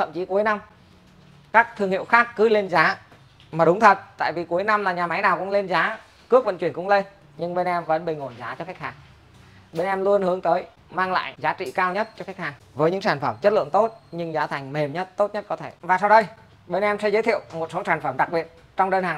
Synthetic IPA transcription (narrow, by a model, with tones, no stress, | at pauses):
t̪ʰə̰˧˨mt͡ɕi˨˦ku˨˦jna˧m | kaː˦˥k̚t̪ʰɨ˧˩əŋhḭ˧˨wxaː˦˥kːɨ˨˦le˧nzaː˨˦ | maː˨˩ɗʊ˨˦ŋ͡mt̪ʰə˨˩t̚t̪a̰ː˧˨jvi˨˩ku˨˦əjna˧mlaː˨˩ɲaː˨˩ma˨˦jnaː˨˩wkʊ̰˧˥ŋ͡mle˧nzaː˨˦ | kɨ˦˥ək̚və̰˧˨nt͡ɕwi˨˩əŋkʊ̰˧˥ŋ͡mle˧n | ɲɨ˧ŋɓe˧nʔɛ˧mvə̰˨˦˥nɓï˨˩ŋ̟ho˧˩nzaː˨˦t͡ɕɔ˧ka˦˥jk̚haː˨˩ŋ | ɓe˧nʔɛ˧mlu˧ənhɨ˨˦əŋt̪əː˨˦j | maː˧ŋla̰ː˧˨jzaː˨˦t͡ɕḭ˧˨kaː˧wɲə˦˥t̚t͡ɕɔ˧ka˦˥k̚haː˨˩ŋvəː˨˦jɲɨ̰˧˥ŋsaː˧˩nfə˧˩mt͡ɕə˦˥t̚lɨ̰˧˨əŋt̪o˦˥t̚ɲɨ˧ŋzaː˨˦t̪ʰa˨˩jŋ̟me˨˩mɲə˦˥t̚t̪o˦˥t̚ɲə˦˥t̚kɔ˨˦t̪ʰe˧˩vaː˨˩sa˧wɗə˧j | ɓe˧nʔɛ˧msɛ˧˦zəː˨˦jt̪ʰḭ˧˨əwmo˨˩t̚so˨˦saː˨˩nfə˧˩mɗa˨˩k̚ɓi˨˩ət̚ | t͡ɕɔ˧wŋ͡mɗəː˧nhaː˨˩ŋ